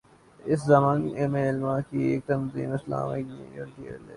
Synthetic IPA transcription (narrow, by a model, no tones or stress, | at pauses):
ɪszɐmaːnemẽɪlmaːkieːk̚t̪ɐmziːmɪsla̰ːmɪknĩjoʈiele